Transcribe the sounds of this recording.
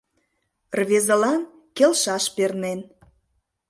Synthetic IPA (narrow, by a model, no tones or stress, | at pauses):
rβezə̆lɑn | kelʃɑʃpernen